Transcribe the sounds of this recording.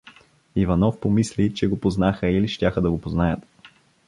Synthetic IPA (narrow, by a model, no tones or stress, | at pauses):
ivɐnɔfpomislit͡ʃɛɡopoznaxəiliʃtʲaxəd̪ɐɡopoznajət̪